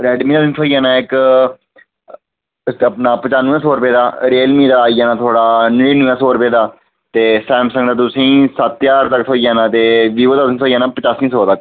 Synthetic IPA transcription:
ɾɛːɖmĩːd̪aːt̪ĩːt̪ʰoːijãːnãːɪk | əpnaːpət͡ʃaːnʋɛ̃ːsoːɾʊpeːd̪aːɾeːlmĩːd̪aːijaːnãːt̪ʰoːɽaːnɪiːnə̃ʋɛ̃ːsɔːɾpeːd̪aː | t̪eːsɛːmsə̃ŋɡd̪aːt̪ʊsĩːsət̪jaːɾt̪əkt̪ʰoːijaːnãːt̪eːʋiːʋoːd̪aːsĩːt̪ʰoːijaːnaːpət͡ʃaːsĩːsɔːt̪ək

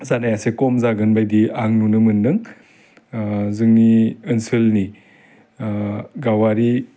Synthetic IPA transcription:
zanajasekɔmzaɡɯnbajdiaŋnunɯmɯndɯŋ | zɯŋniɯnsɯlni | ɡawaɾi

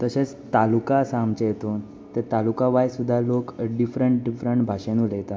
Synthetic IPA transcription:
t̪əset͡s | t̪alukasamt͡ɕejet̪on | t̪et̪alukaʋajsud̪ʱːalokɖifɾəɳʈɖifɾəɳʈbʱaɕẽnulet̪a

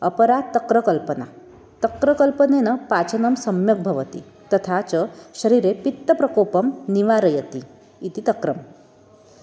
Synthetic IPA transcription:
əpəɾat̪ːɐkɾəkəlpəna̰ | t̪əkɾəkəlpənenəpat͡sənəmsəmjɐk̚bʱɐʋət̪ḭ | t̪ət̪ʰat͡səɕəɾiɾepit̪ːəpɾɐkopəmniʋaɾəjət̪iː | t̪it̪ɐkɾəm

